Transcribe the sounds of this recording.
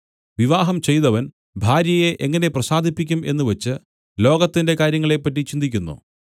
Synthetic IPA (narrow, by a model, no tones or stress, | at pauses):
ʋiʋaːɦɐmt͡ɕe̞jt̪ɐʋɐn | bʱaːɾjɐje̞ʔeŋːɐne̞prɐsaːd̪ʱipːikʲːume̞nːɨʋɐt͡ɕːɨ | lo̞ːɡɐt̪ːinde̞kaːɾjɐŋːɐɭe̞pːɐt̬ːit͡ɕind̪ikʲːunːṵ